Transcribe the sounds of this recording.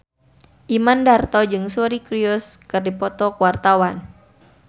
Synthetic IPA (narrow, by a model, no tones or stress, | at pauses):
ʔimandart̪ɔd͡ʒɨŋsuɾikɾiɔskɨrdipɔt̪ɔkuwart̪awan